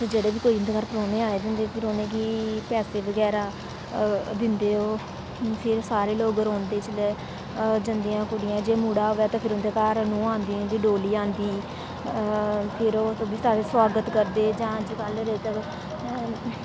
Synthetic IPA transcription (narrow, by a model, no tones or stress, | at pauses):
t̪ːd͡ʒeːɽeːʋiːkoːiːʊnd̪eːkaːɾpɾoːneːaːeːd̪ɪnd̪eːpʰɪɾonẽːkiːpɛːseːʋəɡɛːɾaː | d̪ɪnd̪eːoː | pʰɪɾsaːɾeːloːɡɾõːnd̪eːt͡ʃleː | d͡ʒənd̪ijãːkʊɽɪjãːd͡ʒeːmuːɽaːɦoːɛːt̪ãːpʰɪɾʊnd̪eːkaːɾnũːãːnd̪iːʊnd̪iːɖoːliːãːnd̪iː | pʰɪɾoːt̪ːbiːsaːɾeswaːɡət̪kəɾd̪eːd͡ʒãːd͡ʒkəlɾeːt̪əɾ